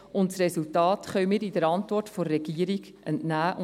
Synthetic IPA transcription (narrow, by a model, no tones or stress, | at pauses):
ʊntsresultɑːtχœwmɪːɾid̥əɾɑntvɔrtfoɾːɛɡ̥iːəɾiɡ | ɛntnæːʔʊ